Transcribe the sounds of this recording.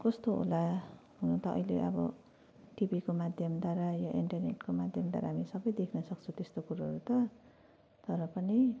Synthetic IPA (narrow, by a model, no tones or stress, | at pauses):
kʌst̪oɦo̰laɦunʌt̪ʌʌ̰ileʔʌ̰bʌ̰ | ʈibikomad̪ʱjʌmd̪aɾajaʔiɳʈʌrneʈkomad̪ʱjʌmd̪wa̰ɾa̰ɦamisʌbʌjd̪ekʰnʌsʌk̚t͡sʰut̪est̪okuɾaɦʌ̰ɾut̪ʌ | t̪ʌɾʌpʌni